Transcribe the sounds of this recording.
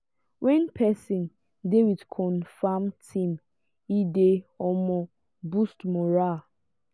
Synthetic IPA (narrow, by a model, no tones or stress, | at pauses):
wɛ̃npʰɛsĩn | dewidkʰɔ̃nfamtʰĩm | ideɔmɔ | bustmɔɹal